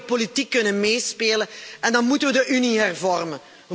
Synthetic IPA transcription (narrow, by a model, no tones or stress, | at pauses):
politikːɵnənmeːspeːlənɛndɑnmutənʋədəʔyniɦɛrvɔrmən | ʋə